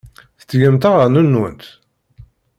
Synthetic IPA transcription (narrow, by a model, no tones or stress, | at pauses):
θə̥t͡sːʝæmt̪aʁəɾnunːwə̰nt̪